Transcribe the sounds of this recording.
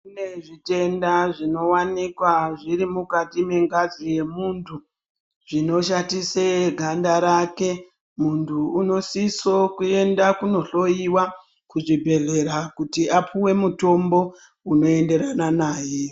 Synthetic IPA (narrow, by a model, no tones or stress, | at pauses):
kkuneʐite̞ndaʐino̞wanikwaʐiɾimukatime̞ŋɡazije̞muntʰu | ʐino̞ʃatiseɡʱandaɾake̞ | muntʰuːno̞siso̞kue̞ndakuno̞ɬo̞jiwa | kuʐibʱe̞ɮe̞ɾakutiʔapʰuwe̞muto̞mbo̞ | uno̞e̞nde̞ɾananaːje